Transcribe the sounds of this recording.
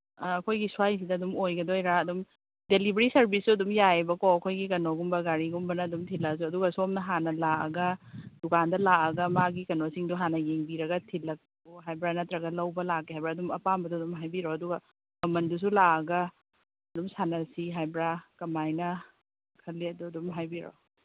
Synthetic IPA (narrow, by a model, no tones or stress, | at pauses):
ɐkʰojɡisuajs̬idɐːdumojɡɐdojɾaɐdum | delibɾisɐɾbisuɐdumjajbɐkoɐkʰojɡikɐnoɡumbɐɡaɾiɡumbɐnɐːdumtʰilɐsuɐduɡɐsuomnɐɦanɐlaɐ̰ɡɐdukʰandɐlaʔɐɡɐmaɡikɐnosiŋduɦanɐjeŋbiɾɐɡɐtʰilɐk̚ | ɔɦajbɾanɐtɾɐɡɐlɐwbɐlakːeɦajbɾaɐdumɐpambɐdudumɦajbiɾoɐduɡɐ | mɐmɐndus̬ulaɐɡɐː | dumsanɐsiɦajbɾakɐmajnɐ | kʰɐlːiɐduɐdumɦajbiɾo̰